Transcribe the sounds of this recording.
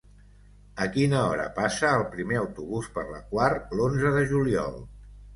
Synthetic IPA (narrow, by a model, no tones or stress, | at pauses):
əkinəɔɾə̰pasəːlˠpɾimeəwt̪uβuspəɾlə̰kwaɾlonzəðəʒuliɔ̰lˠ